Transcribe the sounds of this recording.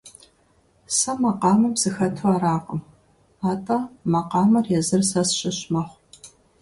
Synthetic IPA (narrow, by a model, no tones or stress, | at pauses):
sɐmɐqɑːmɐmz̥ɨxɐtʰuaːɾaːqʼʊm | aːtʰʼɐmɐqɑːmɐrjɛzɨrsɐsɕɪɕmɐχʷ